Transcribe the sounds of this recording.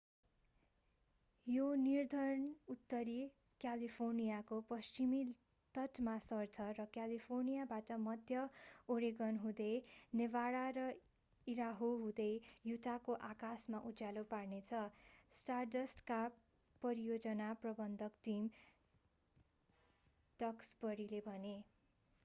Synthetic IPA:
jonird̪ʱʌɾnut̪ːʌɾi | kjalipʰornijakopʌst͡ʃimi | t̪ʌʈmasʌrt͡sʰʌrʌkjalipʰornijabaʈʌmʌd̪ʱjʌoɾiɡʌnɦũd̪ʌjnebaɽaɾʌ | iɾaɦoɦũd̪ʌjjut̪akoʔakasmaʔujaloparnet͡sʰʌsʈardʌsʈka | pʌɾijod͡zʌnaprʌbʌnd̪ʱʌkʈim | ɖ̥ʌksbʌɾilebʱʌne

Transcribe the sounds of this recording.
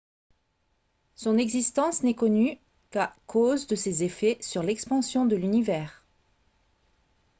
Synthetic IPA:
sɔ̃nɛɡzist̪ɑ̃snɛkɔny | kakʰozd̪əsezefɛsyʁlɛkspɑ̃sjɔ̃d̪əlynivɛːʁ

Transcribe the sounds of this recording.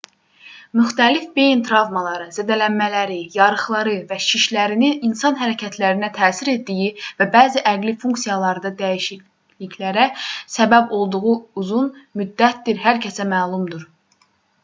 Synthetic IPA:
myxt̪ælifbejint̪ʰɾɑvmɑlˠɑɾɯzæd̪ælænmælæɾijɑɾɯχlˠɑɾɯvæʃʰiʃlæɾinininsɑnɦæɾæcʰæt̪ʰlæɾinæt̪ʰæːsiɾe̞t̪̚d̪ijivæbæːziʔæɡlifuŋksijɑlˠɑɾɯd̪ɑd̪æjiʃi | liçlæɾæsæbæbo̞lˠd̪uʁuuzunmyd̪ːæt̪̚d̪iɾɦæɾcʰæsæmæːlˠumd̪uɾ

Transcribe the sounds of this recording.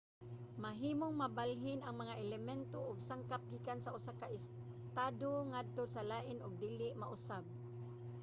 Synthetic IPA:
maɦiːmoŋmabalɦɪnaŋmaŋaʔɛlɛmɛnt̪oʔʊɡsaŋkap̚ɡiːkansaʊsakaʔɪs | t̪aːd̪oŋad̪̚t̪osalaːʔɪnʊɡ̚d̪iːlɪʔmaʔʊsab̚

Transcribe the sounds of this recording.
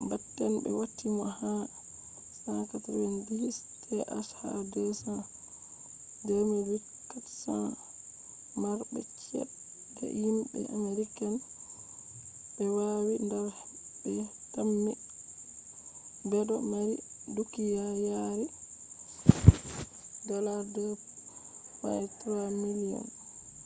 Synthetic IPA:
batːɛnbɛ̰watːimɔha | sakatɾɛndis | tʰɛʔaʃha̰dɛsa | dɛɾmiwi | kːatsa | maɾbɛ̰t͡ʃɛ̰ | dɛ̰jimɓɛ̰ʔameɾikan | bɛwawindɛɾh | ɓbɛtamni | bɛdɔmaɾidukːijajaɾi | ɡaladɛ | fa̰ɛtɾamilijɔ̰n

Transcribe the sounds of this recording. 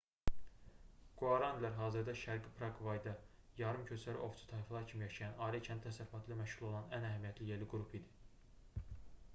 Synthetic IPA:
ɡ̥uɑɾɑnd̪leɾɦɑːziɾd̪ɑʃæɾɡipʰɾɑɡvɑjd̪ɑ | jɑɾɯmcʰøt͡ʃʰæɾḭʔo̞ft͡sʰi̥t̪ʰɑiflˠɑɾcʰimijɑʃɑjɑnɑːɾicʰænit̪æsæɾyfɑt̪ʰilæmæʃʁulˠo̞lˠɑnænæɦæmijæt̪ʰlijeliɡuɾupʰid̪i

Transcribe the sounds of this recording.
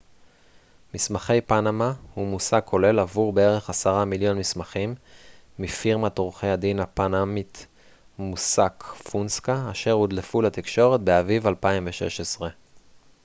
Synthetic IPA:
mismaχe̞jpanamahumusaɡkʰːo̞le̞lavuʁbeeʁe̞χasaʁamiljo̞nmismaχimːifiʁmat̪ʁuχejhad̪inapanamit | musakfunskaːʃe̞ʁud̪lefulat̪ikʃo̞ʁet̪̚beavivalpaimveʃe̞̰ʃesʁe̞

